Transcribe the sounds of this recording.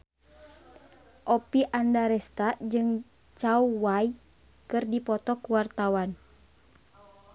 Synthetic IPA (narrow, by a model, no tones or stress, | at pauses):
ʔɔpiʔandaɾɛst̪aʔd͡ʒɨŋ | t͡ʃauwai | kɨrdipɔt̪ɔkuwart̪awan